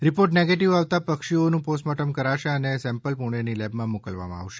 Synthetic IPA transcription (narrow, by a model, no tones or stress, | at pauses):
ɾipoɾʈneɡeʈiʋaʋt̪apəkʃionũposʈmɔʈəmkəɾaʃeənesɛ̃mpəlpuɽ̃enilɛbmãmukəlʋa̰mã̰a̰ʋʃe̥